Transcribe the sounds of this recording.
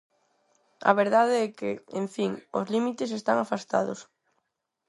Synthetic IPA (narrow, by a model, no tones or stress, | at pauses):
a̰β̞eɾðaðeɛkḛeɱfiŋo̰zlimit̪es̬est̪aŋafast̪a̰ðos